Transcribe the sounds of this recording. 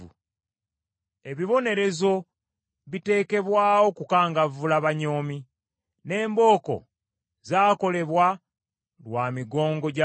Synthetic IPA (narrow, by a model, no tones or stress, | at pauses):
ṵ | e̞βiβo̞ne̞ɾe̞zo̞ | βite̞ːke̞βwaːwo̞kukaːŋɡavulaβaɲo̞ːmi | ne̞ːmbo̞ːko̞̰ | zaːko̞le̞βwa | lwaːmiɡo̞ːŋɡo̞ɟa